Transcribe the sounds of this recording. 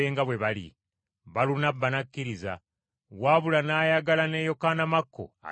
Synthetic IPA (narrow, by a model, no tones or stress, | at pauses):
eːŋɡaβwe̞βalḭ | βalunabːanakʲːiɾiza̰ | waβulanaːjaɡalane̞ːjo̞kaːnamakːo̰a̰